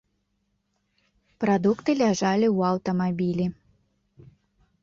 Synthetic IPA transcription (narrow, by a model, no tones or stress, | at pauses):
pɾad̪ukt̪ɨlʲaʐalʲiwɐwt̪ɐmabʲilʲi